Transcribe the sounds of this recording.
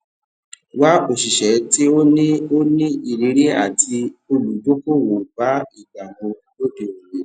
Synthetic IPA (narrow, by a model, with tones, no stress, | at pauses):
wa˦bo˨ʃi˨ʃɛ˨˦ti˦o˦nĩ˦o˦nĩ˦i˨ɾi˨˦ɾe˦a̰˦˨ti˧o˧lu˨do˦ko˦˨wo˨ba˨˦i˦˨ɡ͡ba˨ɡ͡bo˧˦do˦de˨o˨le˨˦